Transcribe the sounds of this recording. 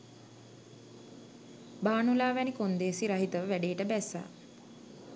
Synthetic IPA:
baːnulaːʋɛnikond̪eːsiɾaɦit̪əʋəʋæɖeːʈəbæsa̰ː

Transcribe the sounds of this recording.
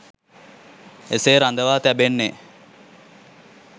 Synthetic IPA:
eseːɾand̪əʋaːt̪æbenːe

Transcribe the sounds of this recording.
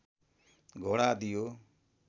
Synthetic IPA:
ɡʱɔɽad̪ijo

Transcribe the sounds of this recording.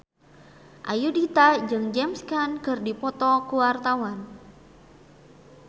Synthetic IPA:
ʔajudit̪ad͡ʒɨŋd͡ʒɛmskankərdipɔt̪ɔkuwart̪awan

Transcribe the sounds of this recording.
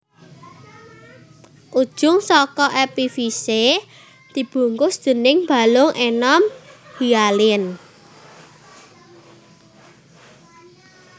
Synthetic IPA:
ʔud̥ʒ̥ʊ̤ŋsɔkɔʔepifise | d̪̥i̤b̥ṳŋkʊsd̪̥ə̤nɪŋmba̤lʊŋʔenɔmhialɪn

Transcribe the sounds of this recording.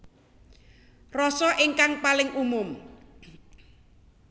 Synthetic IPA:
rɔsɔʔɪŋkaŋpalɪŋʔumʊm

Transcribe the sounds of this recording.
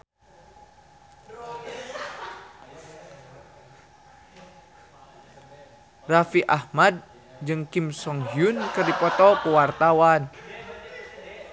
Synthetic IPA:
rafiʔahmad̚ | d͡ʒɨŋkimsɔŋɦiunkɨrdipɔt̪ɔpəwart̪awan

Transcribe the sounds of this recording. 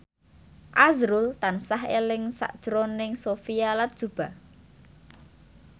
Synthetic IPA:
ʔazɾʊlt̪ansaɦelɪŋsa̰ʔd̥ʒ̥ɾonɪŋsofijalat̪̚d̥ʒ̥ṳb̥a̤

